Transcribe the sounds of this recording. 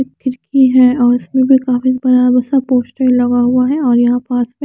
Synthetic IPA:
kɪɾkʰiɦɛɔːɾɪsmẽbʱikaːfisbɐɾabəɾsapoːsʈɛllːɐɡaɦuaɦɛɔːɾjɐɦãpaːse

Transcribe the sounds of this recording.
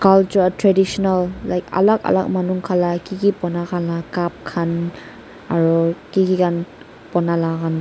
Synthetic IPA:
kalt͡ʃuatɾɛdisɔnalːajka̰laka̰la̰k̚manuŋkʰalakiɡipɔnakʰanlakap̚kʰan | aɾɔkiɡiɡan | pɔnalaɡan

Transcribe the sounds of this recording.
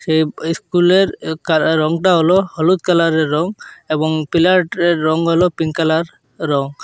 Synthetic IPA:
ʃejiskuleɾkaɾɔŋʈaɦolohɔlut̪kalaɾeɾːɔŋebɔŋpilaʈeɾːɔŋɦolopiŋkalaɾː | ɔŋ

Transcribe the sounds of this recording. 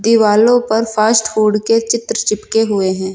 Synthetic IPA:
d̪iʋaːlõpɐɾfʰaːsʈfuːɖket͡ʃɪt̪ɾət͡ʃɪpkeɦʊeɦɛ̃ː

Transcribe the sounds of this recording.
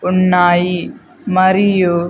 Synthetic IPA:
ʊnːaːji | mɐɾijo

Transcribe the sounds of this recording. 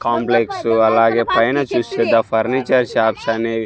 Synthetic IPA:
kaːmpleksuɐlaːɡeːpɐjnɐt͡ʃused̪ɐpʰɐɾnit͡ʃɐɾʃaːpʃɐneː

